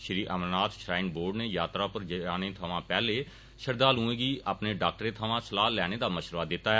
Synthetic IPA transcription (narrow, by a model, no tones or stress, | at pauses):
ʃɾiːʔəmnaːt̪ʃɾaːɪnboːɾɖneːjaːt̪ɾaːpəɾd͡ʒəaːneːt̪ʰəʋãːpɛːleː | ʃəɾd̪aːlũːẽːɡiːʔaːpneːɖaːk̚ʈəɾeːt̪ʰəʋãːsəlaːlɛːɽ̃eːd̪aːməʃɾʋaːd̪ɪt̪ːaːɛ